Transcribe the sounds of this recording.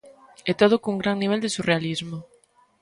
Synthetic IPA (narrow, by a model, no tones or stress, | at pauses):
ɛt̪oð̞okuŋɡɾaŋniβ̞ɛld̪esurealizmo